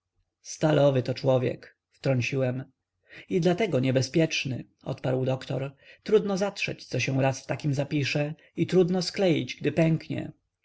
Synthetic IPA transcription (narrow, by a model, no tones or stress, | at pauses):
st̪alɔvɘt̪ɔt͡ʂwɔvʲjɛ̰k | ft̪ɾɔɲt͡ɕiwɛm | id̪lat̪ɛɡɔɲɛbɛspʲjɛt͡ʂnɘ̰ | ɔ̰t̪paɾwd̪ɔkt̪ɔ̰ɾt̪ɾud̪nɔzatʂɛ̰t͡ɕt̪sɔɕɛw̃ɾasft̪akʲimzapʲiʂɛ | it̪ɾud̪nɔsklɛjḭd͡ʑɡd̪ɘpɛŋkɲɛ̰